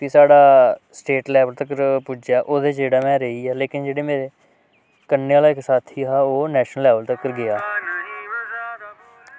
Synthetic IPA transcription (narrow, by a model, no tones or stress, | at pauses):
kisaːɽaːsʈeːʈlɛːʋəlt̪əkəɾpʊd͡ʒjaːʔoːd̪eːt͡ʃeːɽaːmɛ̃ːɾəiːɛːleːkɪnd͡ʒeːɽeːmeːɾeː | kənːeːaːlaːɪksaːt̪ʰiːɦaːoːnɛːʃnəlːɛːʋəlt̪əkːəɾɡɪaː